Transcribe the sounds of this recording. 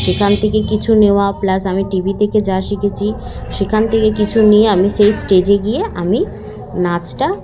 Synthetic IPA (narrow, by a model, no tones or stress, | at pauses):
ʃekʰant̪ʰekekit͡ɕʰuneoaplasamiʈibit̪ʰeked͡ʑaʃikʰet͡ɕʰiʃekʰant̪ʰekekit͡ɕʰunijeamiʃejsʈed͡ʑeɡijeami | nat͡ɕʈa